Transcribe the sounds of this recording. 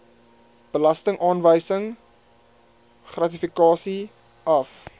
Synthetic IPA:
b̥əlɐstəŋʔɑːnvəjsəŋ | χrɐtifikɑːsi | ɐf

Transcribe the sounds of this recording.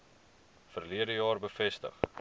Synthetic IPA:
fərliədəjɑːrbəfɛstə̰χ

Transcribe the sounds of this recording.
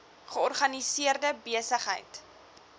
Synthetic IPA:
χəɔrχɐnisiərdəbiəsəχɦə̰jt

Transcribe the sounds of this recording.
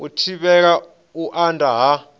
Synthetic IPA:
utʰiɓɛk̬a | uʔandʼʱaɦa

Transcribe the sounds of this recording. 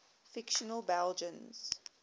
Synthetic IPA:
fɪkʃənəlˠbɛld͡ʒə̃nz̥

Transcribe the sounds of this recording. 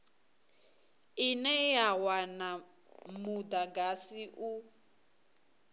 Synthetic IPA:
ɪnɛjawana | mʊdaɡasiʔu

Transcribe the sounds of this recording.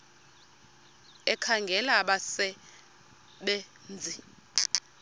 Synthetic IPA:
ɛkʰaŋɡʱɛlaɓasɛ | ɓe | nd͡zʱi

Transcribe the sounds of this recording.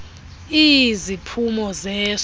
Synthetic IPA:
izipʰumɔzɛːs

